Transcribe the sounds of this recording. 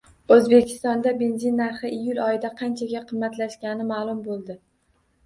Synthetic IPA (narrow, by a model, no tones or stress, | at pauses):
ɵzbe̞kʲʰɪ̥st̪ɒnd̪abe̞nzinːaɾχɪʔijʊlˠɒjɪd̪aqʰɑnt͡ʃʰaɡʲaqʰɨmːat̪laʃkʲɡʲanɪmaːlˠʊmbolˠd̪ɪ